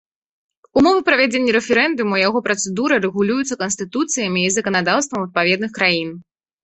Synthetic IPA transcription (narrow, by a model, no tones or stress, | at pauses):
umɔvɨpɾɐvʲad͡zʲenʲːɐɾɛfʲɛɾɛnd̪umujaɣɔpɾɐt̪sɛd̪uɾɨɾɛɣulʲujut̪sːɐkɐnsʲt̪ɨt̪ut̪sɨjɐmʲiːzɐkɐnad̪awst̪vɐmɐt̪̚pavʲɛd̪nɨxkɾajin